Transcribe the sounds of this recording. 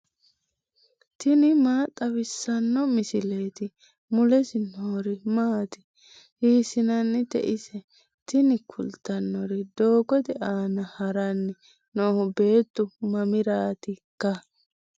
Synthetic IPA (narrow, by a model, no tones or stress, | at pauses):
t̪ɪnɪmaːt̪ʼːɐβɪsːɐnːɔmɪsɪle̞ːt̪ɪ | mʊlɛsɪnoːɾɪmaːt̪ɪ̥ | hiːsɪnɐnːɪt̪ɛ̰ʔɪsɛ | t̪ɪnɪkʰʊlt̪ːɐnːɔɾɛd̪o̞ːkɔt̪ɛʔaːnɐhɐɾɐnːɪ | noːhʊbe̞ːt̪ːʊmɐmɪɾaːt̪ɪkːɐ